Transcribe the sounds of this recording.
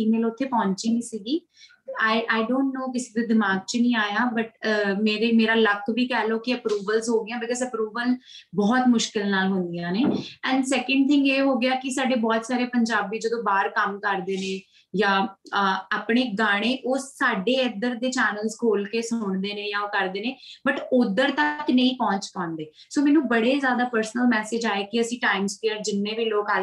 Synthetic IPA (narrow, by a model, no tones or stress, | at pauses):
iːmeːlʊt̪ʰːeːpɔ̃ːɲt͡ʃiːniːsiːɡiː | t̪ːaːiʔaːɪɖõːɳʈnoːkɪsiːd̪eːd̪ɪmaːɡ̚t͡ʃənĩːaːjaːbəʈ̚ːmeːɾeːmeːɾaːlək̚ʰt̪ʰʋiːkɛːloːkɪəpɾuːbəlzɦoːɡɪãːbɪkɔːzəpɾuːbəlbɔːt̪mʊʃkɪlnaːlɦʊ̃nd̪ijãːneːɛ̃ːɳɖsɛːkə̃ɳɖ̚t̪ʰɪ̃ŋɡeːɦoːɡɪaːkɪsaːɖeːbɔːt̪saːɾeːpəɲd͡ʒaːbiːd͡ʒəd̪õːbaːɾkəmkəɾd̪eːneː | jãː | aːpɽ̃eːɡaːɽ̃eːʔoːsaːɖeːəd̪əɾd̪eːt͡ʃɛːnəlzkʰoːlkeːsʊɳd̪eːneːjãːoːkəɾd̪eːneːbəʈʊd̪əɾt̪əknə̃ĩːpɔ̃ːɲt͡ʃkɔ̃ːnd̪eː | soːmɛːnũːbəɽeːzjaːd̪aːpəɾsnəlmɛːseːd͡ʒaːeːkɪəsĩːʈaːɪmzkeːəɾd͡ʒɪnːẽːʋiːloːkaː